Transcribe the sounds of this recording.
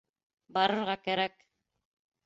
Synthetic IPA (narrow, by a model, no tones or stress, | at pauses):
bɑɾɤ̆ɾʁɑkæɾæk